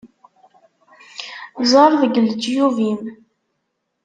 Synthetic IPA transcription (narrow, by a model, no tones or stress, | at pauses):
zˤəɾˤðəɡəld͡ʒjuvim